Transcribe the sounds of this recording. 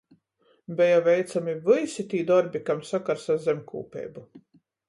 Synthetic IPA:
bɛjawvɛjt̪samivɨjsit̪iːd̪ɔɾbikamsakaɾsazemʲkṵːpʲɛ̰jbu

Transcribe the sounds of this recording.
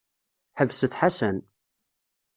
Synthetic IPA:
ħəðsəθħasæn

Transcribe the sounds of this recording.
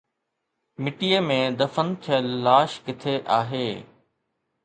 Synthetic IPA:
mɪʈijəmẽd̪ɐfənt̪ʰijəlːaːʃkɪt̪ʰeʔaːɦeː

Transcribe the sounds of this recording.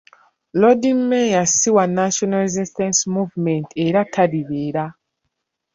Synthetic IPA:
lɔdĩnmɛjasiwanaʃɔnalɹɛzistãnsmuvmɛ̃ntʰeɾatʰadibeɾa

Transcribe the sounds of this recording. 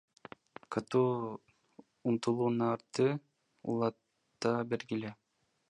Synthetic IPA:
kʰat̪o | unt̪ulˠuːnɑːɾt̪ɯ | ṵlˠɑt̪ː | ɑbeɾɡile

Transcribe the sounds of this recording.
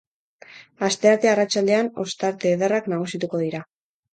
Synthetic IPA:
ast̪e̞aɾt̪e̞arat͡ʃald̪e̞ano̞̰st̪aɾt̪eːðeraknaɣ̞usit̪uko̞ð̞iɾa

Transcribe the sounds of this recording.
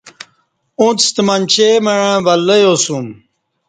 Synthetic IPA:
ũt͡s̪t̪mɐnʲt͡ɕemeɻẽbɐlːəjosum

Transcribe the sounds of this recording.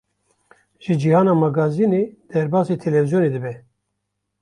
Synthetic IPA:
ʒɨd͡ʒihɑːnaɑːmɑɡɑːziːneːd̪̥ɛɾbɑːseːt̪ʰɛlɛvizjoːneːd̪ɨbɛ

